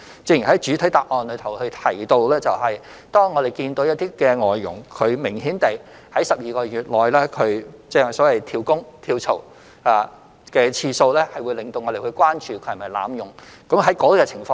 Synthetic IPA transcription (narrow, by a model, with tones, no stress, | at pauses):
t͡sɪ˧ŋji˨˩ɦhɐ˨˥jt͡ʃyː˨˥t̪ʰɐ˨˥jt̪aː˨p̚ʔɔː˨˧nlɵ˨˧ɥt̪ʰɐ˨˩whɵ˧ɥt̪ʰɐ˨˩jt̪o˧wlɛː˥t͡sɐ˨wɦɐ˨j | t̪ɔː˥ŋːɔː˨˧d̪e˨˩jkiː˧nt̪o˨˥wjɐ˥t̚t̪iː˥kɛː˧ŋɔː˨jːʊ̰˨˩ŋkʰɵ˨˧ɥmɪ˨˩ŋhiː˨˥nt̪e˨j | hɐ˨˥jsɐ˨p̚jiː˨˩kɔː˧ɥyː˨t̚lɔː˨jlɛː˥kʰɵ˨˧ɥt͡sɛː˥sɔː˨˥wɐ˨jt̪ʰiː˧wkʊ˥ŋt̪ʰiː˧wt͡sʰo˨˩w | aː˨˧ | kɛː˧t͡sʰiː˧so˧wlɛː˥hɐ˨jwu˨˧jlɪ˨ŋt̪o˧wŋɔː˨˧de˨jhɵ˧ɥkʷwaː˥nt͡ʃyː˨kʰɵ˨˧hɐ˨˩mɐ˨˩jla̰ː˨˧mjʊ˨˩ŋkɐ˨˥mɦɐ˨˥jkɔː˨˥kɛː˧t͡sʰɪ˨˩ŋfɔː˧